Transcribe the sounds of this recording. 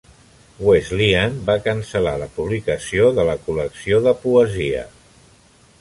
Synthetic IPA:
wezlianbakənsəlaləpuβ̞likəsioðələkuləksioðəpuəziə̰

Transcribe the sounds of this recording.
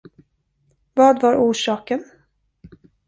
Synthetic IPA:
vɑːd̪vaɾʔuːʂɑːkən

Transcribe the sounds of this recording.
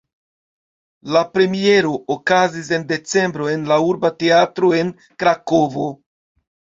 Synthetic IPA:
lapɾe̞mie̞ɾo̞ʔːkazis̬e̞nde̞t͡se̞mbɾo̞e̞nlauɾbate̞atɾo̞e̞n | kɾako̞vo̞

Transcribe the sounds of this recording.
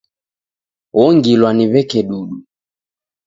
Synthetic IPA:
ɣɔŋɡilwaniβɛkɛɗuɗu

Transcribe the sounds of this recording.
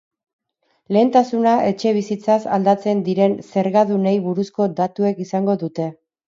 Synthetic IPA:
le̞ːnt̪asunaʔe̞t͡ʃe̞β̞isit͡sasa̰ld̪at͡se̞nd̪iɾe̞nse̞ɾɣaðune̞jβuɾusko̞d̪at̪ue̞kisaŋɡo̞ðut̪e̞

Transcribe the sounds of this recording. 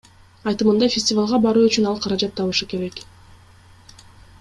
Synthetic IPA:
ɑjt̪ɯmɯnd̪ɑjfʲɪsʲtʲɪvalˠʁɑbɑɾuːyt͡ʃynɑlˠqʰɑɾɑd͡ʒɑt̪ʰːɑβɯʃɯke̞ɾe̞k

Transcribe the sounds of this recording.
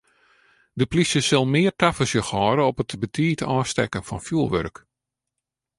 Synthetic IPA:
dəplisjəsəlˠmɪːrtafəsjəxɔːɾəɔpətbətʰiːtʰɔːstɛ̰kənfɔnfjuəlˠʋø̰rk

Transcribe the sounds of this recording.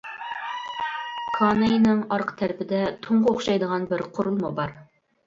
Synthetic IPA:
kʰɑnejnɪŋɑɾqt̪ʰæɾpɪd̪ɛt̪ʰoɴʁooχʃɑjd̪əʁɑnbɪɾqʰʊɾulˠmɑbɑɾ

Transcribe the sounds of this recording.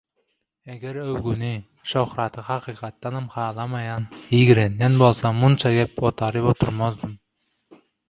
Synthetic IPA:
æɡʲeɾøwɡʲuni | ʃohɾɑt̪ʰɨhɑqʰiːqɑt̪ːɑnamχɑːlˠɑmɑjɑnjiɡʲiɾenɡɛnbolˠsɑmunt͡ʃʰɑɡʲepot̪ʰɑɾɨpot̪ʰuɾmozd̪ɨm

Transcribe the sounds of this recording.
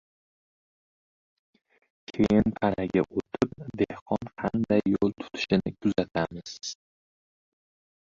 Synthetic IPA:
kʲʰe̞jɪnp̪ʰaɾaɡʲaʔot̪ʰɪp̚d̪e̞hqʰɒnqʰɑnd̪ajːolˠt̪ʰʊ̥t̪ʰɪ̥ʃɪnɪkʲʰʊzat̪ʰamɪz̥

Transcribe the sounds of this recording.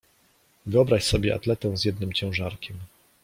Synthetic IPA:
vɘɔbɾaɕsɔbʲjɛʔa̰t̪lɛt̪ɛ̃w̃zʲjɛd̪nɘmt͡ɕɛ̃w̃ʐaɾkʲɛm

